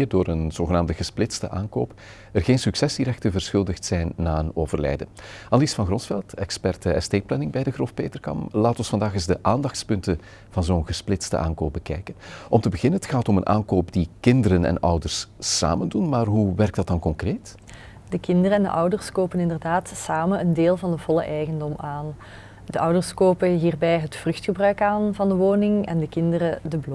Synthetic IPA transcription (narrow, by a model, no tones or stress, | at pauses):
irdoːɾənz̥oːɣənaːmdəɣəsplɪtstə̰ʔaːnko̰ːp | ərɣeːnsyksɛsiɾɛxtəvərsxɵlˠdəxtsɛjnːaːənoːvərlɛ̰jdəaːlisfɑnɣrɔnsfɛlˠtɛkspɛrtəɛsteːplɛnɪŋbɛjdəɣroːfpeːtərkɑ̰mlaːtɔnsfɑndaːxɪzdəʔaːndɑxtspɵntə | v̥ɑnzoːnɣəsplɪtstə̰ʔaːnkoːpb̚bəkɛjkənɔmtəbəɣɪnənɦətxaːtɔmənʔa̰ːnkoːpdikɪndəɾənɛ̰nœ̰wdərssa̰ːməndunmaːrɦuʋɛrk̚d̥ɑt̚dɑnkɔŋkreːt | dəkɪndərəɛndə̰ʔʌwdərskoːpənɪndərdaːtsaːmənəndeːlˠvɑndəv̥ɔlˠə̰ʔɛjɣəndɔmaːn | d̥əʔʌwdərskoːpəɦiːrbɛjɦətfrɵxtxəbrœɥkaːnvɑndəʋoːnɪŋɛ̰ndəkɪndəɾədəblɔ